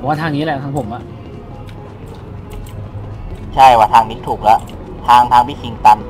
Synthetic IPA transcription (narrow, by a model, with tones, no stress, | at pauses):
waː˧˥˩aː˧ŋniː˦˥lɛ˧˩t̪ʰa˧˥ŋpʰo˩˦mʔa˨˩ʔ | t͡ɕʰa˥˩jwaː˧˩aː˧ŋniː˦˥t̪ʰuː˨˩k̚lɛ˦˥ʔ | t̪ʰaː˧ŋt̪ʰaː˧ŋpʰiː˦˥˩kʰi˧ŋt̪a˧n